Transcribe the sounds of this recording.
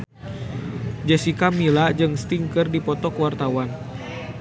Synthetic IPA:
d͡ʒɛsikamilad͡ʒɨŋst̪iŋkɨrdipɔt̪ɔkwart̪awan

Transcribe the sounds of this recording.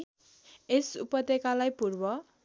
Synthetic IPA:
esṵpʌd̪ekalajpurbʌ

